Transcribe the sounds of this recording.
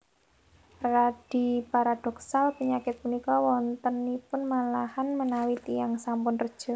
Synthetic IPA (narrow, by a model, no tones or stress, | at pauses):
rad̥ipaɾad̥ɔ̤ksalpəɲakɪt̪̚punikɔwɔnt̪ənːipʊnmalahanmənawit̪ijaŋsampʊnrəd̥ʒ̥ɔ̤